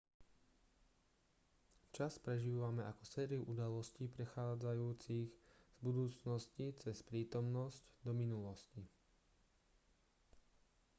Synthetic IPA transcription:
t͡ʃaspɾɛʒiːʋamɛʔakɔ̥sɛːɾiuʔud̪alɔsciːpɾɛxaːd͡zajuːt͡siɣz̥bud̪uːt͡snɔscit͡sɛspɾiːt̪ɔmnɔscd̪ɔminulɔsci

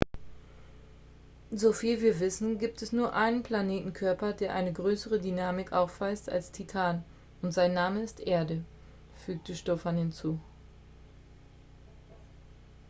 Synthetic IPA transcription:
zofiːlviːɐvɪsn̩ɡiːp̚tɛsnuːɐʔaɪnənpl̥aneːtn̩kʰœɐpɐdeːɐʔaɪnəɡʁøːsəʁədynaːmɪkʔaʊfv̥aɪsta̰lstʰitʰaːn | ʊntz̥aɪnːaːməɪstʔeːɐdə | fyːk̚təʃtɔfanhɪnt͡suː

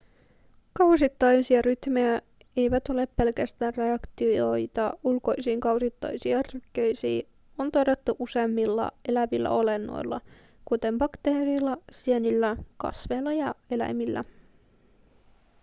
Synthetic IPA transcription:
kɑwsit̪ːɑjsiɑɾyt̪mejæ | e̞jʋæt̪o̞le̞pːe̞lkæst̪æːnre̞ɑkt̪io̞jt̪ɑulko̞jsiːŋkɑwsit̪ːɑ̰jsiɑrykːøjsḭː | ont̪oɾet̪ːuʔuse̞mːilːɑ̰e̞læʋilːæ̰o̞le̞nːo̰jlːɑ̰ | kut̪e̞mbɑkt̪eːɾilːɑsienilːækɑ̰sʋe̞ːlːɑjɑe̞læ̰jmilːʔæ̰

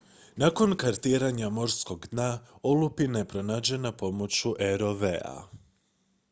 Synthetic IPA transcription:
nako̞nkaɾt̪iɾaɲamo̞ɾsko̞ɡd̪naolupinepɾo̞naːd͡ʑe̞napo̞mo̞t͡ɕuʔeɾo̞ʋea̰

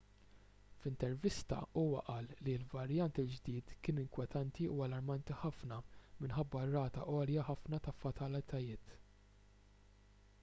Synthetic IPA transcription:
fɪnt̪ɛɾvɪst̪ɐ̰ʔuːwɐ̰ʔɐːlːilvɐɾjɐnt̪ɪld͡ʒd̪iːt̪kɪːnɪŋkwɛt̪ʰɐnt̪iuɐlɐɾmɐnt̪iħɐfnɐmɪnħɐbːɐrːɐːt̪ɐʔɔːljɐħɐfnɐt̪ɐfɐt̪ɐlɪt̪ʰɐjɪːt̪

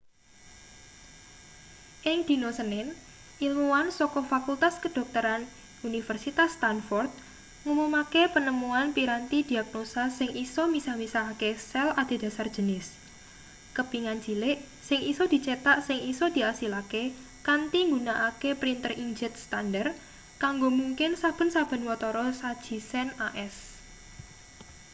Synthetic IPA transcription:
ʔɪŋd̪̥i̤nosənɪn | ʔilmuwansɔkɔfakult̪askəd̥ɔ̤k̚t̪əɾan | unifərsit̪ast̪anfɔrt̪̚ | ŋumumakepənəmuanpiɾant̪id̪̥i̤ak̚nosasɪŋʔisɔmisamisaakesɛlad̪̥e̤d̥a̤sard̥d͡ʒ̥ə̤nɪs | kəpiŋand͡ʒi̤lɪʔ | sɪŋʔisɔd̪̥i̤t͡ʃet̪aʔsɪŋisod̪̥i̤asilake | kant̪iŋɡunaʔakepɾint̪əriŋd͡ʒɛt̪̚st̪andər | kaŋɡomuŋkɪnsab̥ə̤nsab̥ə̤nwɔt̪ɔɾɔsad̥ʒ̥i̤sɛnaʔɛs

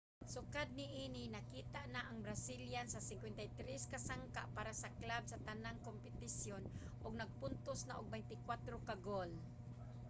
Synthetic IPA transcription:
sʊkad̪̚nɪʔinɪnakiːt̪aʔnaʔaŋbɾasiljansasɪŋkwɛnt̪ajt̪ɾɛskasaŋka̰ʔpaɾasaklab̚sat̪anaŋkompɪt̪ɪsjon | ʔʊɡ̚nɐɡ̚pʊnt̪osnaʔʊɡ̚bɛjnt̪ɪkwat̪ɾokaɡol

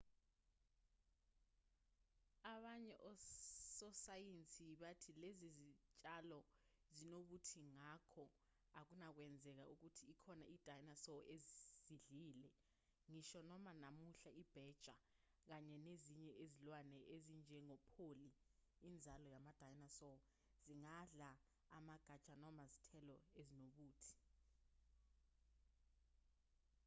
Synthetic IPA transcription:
aɓaɲɛʔɔsɔsajent͡sʼiɓatʰilezizit͡ʃʼalɔ | zinoɓutʰiŋakʰɔ | ak̬unak̬wɛnd͡zʱɛk̬a̰uk̬utʰiːkʰɔnaʔid̥ʱajnasɔʔezz̥iɮiːlɛ | ŋiʃɔnɔmanamuɬaib̥ʱɛd̥ʒ̥ʱa | k̬aɲɛneziɲɛezilwanɛʔezind͡ʒʱɛŋɔpʰoliː | nd͡zʱalɔjamad̥ʱajnasɔ | z̥iŋaɮa | amaɡ̥ʱad̥ʒ̥ʱanɔmazitʰɛlɔezinoɓuːtʰi̥

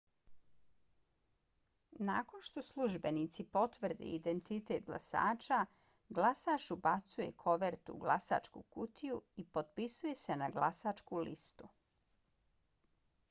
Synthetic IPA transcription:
nakonʃt̪o̞slˠuʒbe̞nit̪sipo̞t̪ʋr̩d̪ḭid̪ent̪it̪e̞t̪ɡlˠa̰sa̰ːt͡ʃa | ɡlasaːʃubat̪suje̞̰kʰo̞ʋeɾt̪ṵɡla̰sa̰ːt͡ʃkṵkut̪ʰijuipo̞t̪̚pisuje̞se̞naɡlasaːt͡ʃkulḭst̪u

